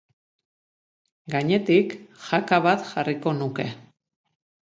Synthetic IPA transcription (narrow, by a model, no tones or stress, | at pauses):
ɡaɲe̞t̪ikxakaβat̪ʝariko̞nuke̞